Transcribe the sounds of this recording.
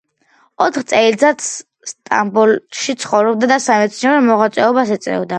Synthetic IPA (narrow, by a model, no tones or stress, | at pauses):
ɔt̪ʰχt̪sʼɛizat̪sʰ | st̪ʼa̰mbulʃit̪sʰχɔvɾɔbd̪ad̪asamɛt̪sʰniɔɾɔmɔʁat̪sʼwɛɔbasɛt̪sʼɛ̰vd̪a